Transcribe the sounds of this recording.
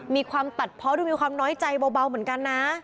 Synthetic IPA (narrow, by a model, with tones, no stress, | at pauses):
miː˧kʰwaː˧mt̪a˨˩t̪̚pʰɔ˦˥duː˧miː˧kʰwaː˧mnɔː˦˥jt͡ɕa˧jbɔː˧ba˧wmɯ˩˦ə˦nka˧nːa˦˥